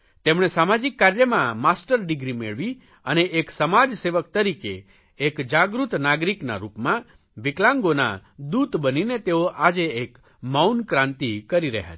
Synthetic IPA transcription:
t̪emɳ̃esamad͡ʒikːaɾjəmãmasʈəɾɖɪɡɾimeɭʋi | əneʔeksəmad͡ʒseʋək̚t̪əɾikḛː | kd͡ʒaɡɾut̪naɡɾikna̰ɾupmã | ʋɪklãŋɡona̰d̪ut̪bəninet̪eoʔad͡ʒeːk | mawnkɾãnt̪ikəɾiɾə̰ɦja̰t͡ʃʰ

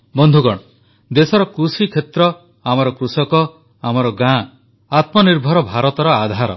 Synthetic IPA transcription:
bɔnd̪ʱuɡɔɽ̃ɔ | d̪esɔɾɔkɾusikʰet̪ɾɔ | amɔɾɔkɾusɔkɔ | amɔɾɔɡã | at̪mɔniɾbʱɔɾɔbʱaɾɔt̪ɔɾɔad̪ʱaɾɔ̰

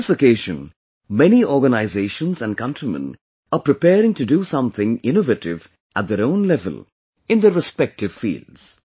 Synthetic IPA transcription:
ɪsəkeːʒə̃n | mɛniʔɔːɡənaɪzeːʃə̃nzæ̃nɖ̚kʌ̃ntɾimə̰̃n | apɾɨpɛːɾɪ̃ŋtudusʌ̃mθʰɪ̃ŋɪ̃novətɪv | ʔæt̚d̪əɾõʊ̃nlɛvə̰l | ɪ̃nd̪əɹɪspɛk̚ʈɪv̥fḭːldz̥

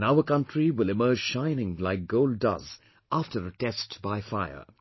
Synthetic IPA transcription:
naʊəkʌ̃ntɹ̥iwɪlɪmɜ˞d͡ʒʒ̥ʃãɪ̃nɪ̃ŋlaɪk̚ɡ̥oʊlˠddʌ̰z | ʔæftʰə˞ətɛstb̥aɪfaɪə̰˞

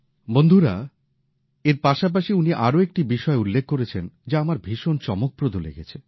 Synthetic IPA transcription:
bond̪ʱuɾa | eɾpaʃap̬aʃiuniʔaɾoek̚ʈibiʃɔeulːekʰːoɾet͡ɕʰend͡ʑaamaɾbʱiʃont͡ɕɔmok̚pɾod̪ʱolḛɡet͡ɕʰe

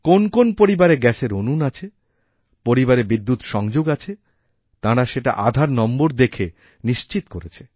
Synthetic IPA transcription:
konkonpoɾibaɾeɡɛseɾonunat͡ɕʰe | poɾibaɾebid̪ːut̪ʃɔŋd͡ʑoɡat͡ɕʰe | t̪ãɾaʃeʈa̰ʔad̪ʱaɾnɔmboɾd̪ekʰe | niʃt͡ɕit̪koɾet͡ɕʰe

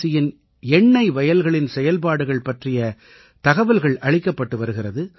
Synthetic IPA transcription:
sɪjɪn | ɛɳːɐɪʋɐjɐlɣɐɭɪnsɛjɐlpaːɽɯɣɐɭpɐʈrɪjɐ | t̪ɐɣɐʋɐlɣɐɭʔɐɻɪkːɐpːɐʈːɯʋɐɾɯɣɪrɐðɯ

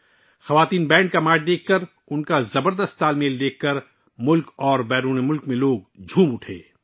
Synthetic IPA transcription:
xɐʋaːt̪iːnbɛ̃ːɳɖkamaːʈ̚d̪eːkʰkɐɾ | ʊnkazɐbəɾd̪əst̪̚t̪ːaːlmeːld̪eːkʰːɐɾ | mʊlkɔːɾbɛːɾuːnemʊlkmẽloːɡd͡ʒʱũːmʊʈʰḛː

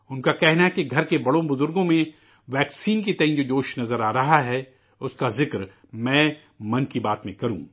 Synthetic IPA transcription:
ʊnkakɛɦnaɦɛkiɡʱɐɾkebɐɽõbʊzʊɾɡõmẽ | ʋɛːksiːnkit̪ɛɪ̃nd͡ʒoːd͡ʒoːʃnɐzəɾaːɾɐɦaɦɛ | ʊskazɪkɾ | mɛ̃ː | mɐnkibaːt̪mẽkɐɾṵ̃ː

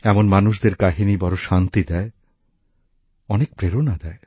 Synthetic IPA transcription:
ɛmonmanuʃd̪eɾkaɦinibɔɾoʃant̪id̪ɛe | ɔnek̚pɾeɾonad̪ɛe

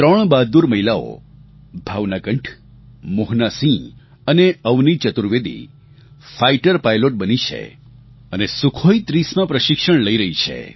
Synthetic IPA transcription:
t̪ɾəɳ̃bad̪̚d̪uɾməɦilao̰ | bʱaʋnakəɳʈʰ | mʊɦnasĩ | əneəʋnit͡ʃət̪uɾʋed̪ḭ | faiʈəɾpajloʈ̚bənit͡ʃʰḛ | ənesukʰoit̪ɾismãpɾəʃɪkʃəɳ̃ləiɾəɦit͡ʃʰḛ

